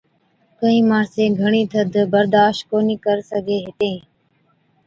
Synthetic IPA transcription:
kəĩːmaːɾsẽːɡʱəɳiːt̪ʰəd̪ʱbəɾd̪aːʃt̚koːniːkəɾsəɡʱeːɦɪt̪ẽː

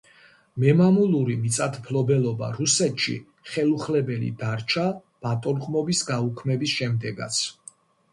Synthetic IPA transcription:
mɛmamulˠuɾimit̪sʼat̪ʰpʰlɔbɛlɔba̰ɾusɛt̪ʃḭ | χɛlˠuχlɛbɛlḭd̪aɾt͡ʃʰa | b̥at̪ʼɔlχʼmɔbisɡaukʰmɛbisʃɛmd̪ɛɡa̰t̪sʰ

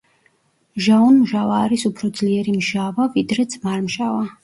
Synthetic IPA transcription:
ʒaunmʒavaːɾisupʰɾɔd̪zliɛɾimʒavavid̪ɾɛd̪zmaɾmʃava

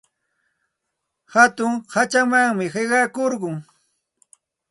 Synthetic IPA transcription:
hat̪ʊŋhat͡ʃamaŋmɪɢeɢɑkoɾɢʊŋ

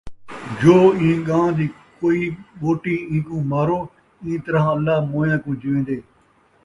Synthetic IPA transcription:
d͡ʒoːĩːɠãːd̪iːkoːiːɓoːʈiːĩːkũːmaːɾoː | ĩːt̪əɾãːəlːaːmõːjãːkũːd͡ʒɪʋẽːd̪eː

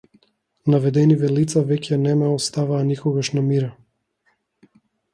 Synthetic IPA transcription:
navɛd̪ɛnivɛlit̪savɛcʰʲɛnɛmɛɔst̪avaːnikɔɡaʃnamiɾa

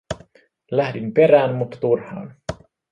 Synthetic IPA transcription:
læhdimpe̞ɾæːnmut̪ːɑ̥t̪urhɑ̰ːn

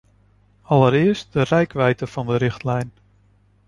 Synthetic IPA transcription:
ɑləɾɪəɹst̚dərɛjkʋɛjtəv̥ɑndəɾɪχtlɛjn

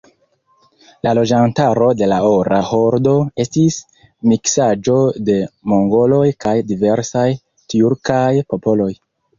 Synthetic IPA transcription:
lalo̞d͡ʒantaɾo̞de̞laoɾaho̞ɾdo̞e̞stis | miksad͡ʒo̞de̞mo̞ŋɡo̞lo̞jkajdive̞ɾsaj | tiuɾkajpo̞po̞lo̞j

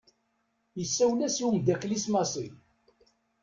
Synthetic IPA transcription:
jəsːæwlæsiumd̪ækːlismɑsˤi

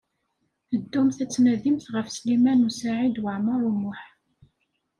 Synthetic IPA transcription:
əd̪ːumθæt͡sːnæðimθʁəfslimænusaʕid̪wəʕməɾˤumːʊħ

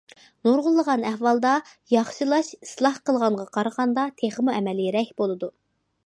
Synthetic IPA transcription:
noɾʁʊlˠːəʁɑnɛhwɑlˠd̪ɑ | jɑχʃɨlˠɑʃi̥slˠɑhqəlˠʁɑɴʁɑqʰɑɾəʁɑnd̪ɑt̪ʰeχəmuɛmɛlɨɾɛhbolˠɨd̪u

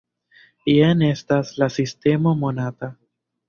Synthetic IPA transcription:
iene̞staslasiste̞mo̞mo̞nata

